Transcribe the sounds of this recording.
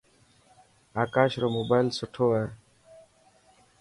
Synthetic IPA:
aːkaːʃɾoːmoːbaːlsʊʈʰoːee

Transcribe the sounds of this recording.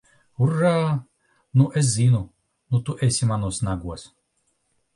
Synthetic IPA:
urːaː | nuʔɛs̬zinu | nut̪uʔɛsʲimanuɔsnaɡuɔs

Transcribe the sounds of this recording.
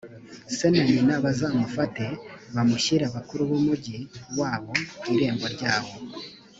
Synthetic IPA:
se̞naɲinaβazaːmufate̞βamuçiɾaβakuɾuβumuɟiwaːβo̞iɾe̞ːmɡo̞ɾɟaːβo̞

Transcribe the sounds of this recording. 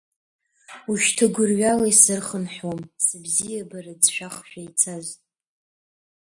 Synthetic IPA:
uʃtʰaɡʷʊrɥalaisɨrχənħomsɨbzijabarad͡zʃᶣaχʃᶣajt͡sʰazʼ

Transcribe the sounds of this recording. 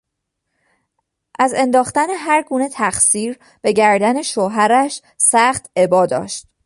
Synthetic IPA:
ʔæze̞nd̪ɒːxt̪æne̞ɦæɾɡuːne̞t̪ʰæxsiːɾ | b̥e̞ɟæɾd̪æne̞ʃoːɦæɾæʃ | sæχt̪e̞bɒːd̪ɒ̰ːʃt̪̚

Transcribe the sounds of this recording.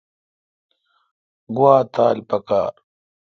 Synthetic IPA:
ɡuwaːt̪aːlpɐka̰ː

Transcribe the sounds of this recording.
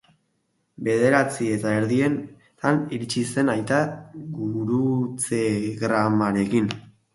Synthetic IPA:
be̞ðe̞ɾat͡sie̞t̪ae̞ɾðie̞n | t̪aniɾit͡ʃise̞najt̪aɣuɾut͡seɣɾamaɾe̞kin

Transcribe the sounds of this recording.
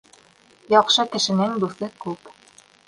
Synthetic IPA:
jɑqʃɤt̪ɘ̆ʃɘ̆nɘŋd̪uθɤkʉp

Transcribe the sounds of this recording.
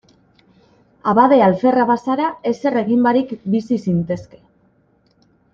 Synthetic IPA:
aβaðe̞alfe̞raβasaɾae̞se̞re̞ɣimbaɾikbisisint̪e̞ske̞̥

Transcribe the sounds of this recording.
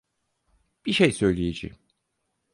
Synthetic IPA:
b̥iʃejsø̞jlʲejed͡ʒḭm

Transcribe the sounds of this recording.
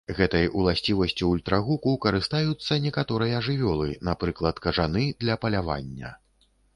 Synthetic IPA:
ɣɛt̪ɐjulˠasʲt͡sʲivɐsʲt͡sʲiːlʲt̪ɾaɣukuwkɐɾɨst̪ajut̪sːɐnʲɛkat̪ɔɾɨjɐːʐɨvʲɔlˠɨnapɾɨklˠɐt̪kɐʐanɨd̪lʲɐpɐlʲava̰nʲːɐ̰

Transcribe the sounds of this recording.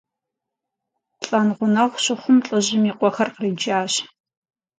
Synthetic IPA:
ɬʼɐnʁʷʊnɐχʷɕɪχʷʊmt͡ɬʼɨʑɪmiːqʷɔxɐrqrɨd͡ʒaːɕ

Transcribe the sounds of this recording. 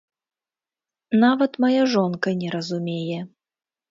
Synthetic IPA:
navɐt̪majaʐɔnkɐnʲɛɾɐzumʲejɛ

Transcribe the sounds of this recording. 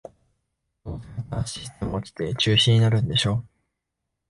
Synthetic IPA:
aɕi̥st̪emoki̥t̪e̞t͡ɕɨːɕĩɲ̟ːinaɾɯ̟̃nd̪e̞ɕo̞ː

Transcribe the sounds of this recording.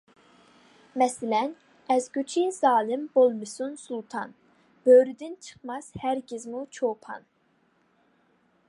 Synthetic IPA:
mɛsɪlɛn | ɛzɡʲyt͡ʃʰizɑːlˠɪmbolˠmɨsunsulˠt̪ʰɑn | b̥øːɾyd̪ɪnt͡ʃʰɨ̥χmɑshæɾɡʲizmut͡ʃʰopʰɑ̰n

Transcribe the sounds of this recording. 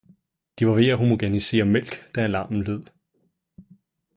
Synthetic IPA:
d̥iʋɑ̈ʋe̝æɦo̝moɡ̥ænise̝̰ːɐmel̰ɡ̥d̥æælɑ̈ːmn̩leð̰ˠ

